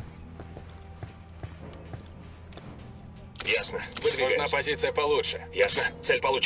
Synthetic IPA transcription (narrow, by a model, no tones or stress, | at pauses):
jasnəvɨd̪vʲɪoʐnapɐzʲit̪sɨjəpɐlˠutʂɨjasnət̪sɛlʲpɐlˠut͡ɕ